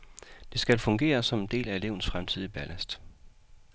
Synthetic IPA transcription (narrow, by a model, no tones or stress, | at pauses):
d̥e̝sɡ̥ælfɔ̽ŋɡ̥e̝̰ːɐsɒ̽mend̥e̝̰ːlæe̝le̝ʊ̰n̩sfʁamt͡sʰið̞̰ˠib̥ælʔæsd̥